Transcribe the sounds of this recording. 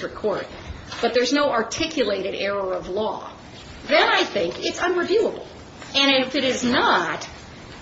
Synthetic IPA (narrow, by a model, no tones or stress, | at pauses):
ɹ̥ɨkʰɔɹt̚ | b̥ʌt̪̚ðə˞znoʊɑɹtʰɪkʰjɨleɪɾɨɾɛɹə˞ʌvlɔ̰ | ðɨ̃naɪθɪ̃ŋkɪtsʌ̃nɹɨvjʉəbl̩ˠ | ɨ̃ñɪfɨɾɪznət